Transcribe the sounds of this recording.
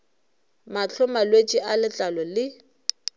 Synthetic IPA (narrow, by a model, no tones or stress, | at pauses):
mat͡ɬʰʊmalwet͡ʃʼiʔalɪt͡ɬʼalɔlɪ